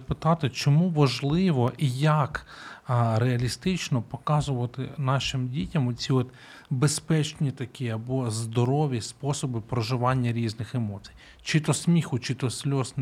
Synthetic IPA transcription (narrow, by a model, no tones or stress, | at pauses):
pɪt̪ɑt̪ɪt͡ʃɔmuʋɐʒlˠɪʋɔʔijɐk | ɾeɐlʲist̪ɪt͡ʃnɔpɔkɑzʊʋɐt̪ɪ̰nɑʃɪmdʲitʲɐmɔt͡sʲiɔt̪ | bespɛt͡ʃnʲit̪ɐkʲiɐbɔzd̪ɔɾɔʋʲispɔsɔbɪpɾɔʒɪʋɑnʲːɐɾʲiznɪxemɔt͡sʲi̥jj | t͡ʃɪt̪ɔsmʲixʊt͡ʃɪt̪ɔsʲlʲɔsn